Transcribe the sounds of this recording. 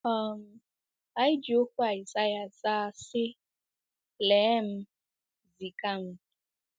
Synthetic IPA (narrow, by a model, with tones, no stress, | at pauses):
ɔ˦˨m̩˨ | a˦ɪ˦d͡ʒo˦kʷu˦a˨i˨sa˦ja˨saː˦˨sɪ˦ | leː˨˦m̩˦ | zi˨ka˦m̩˦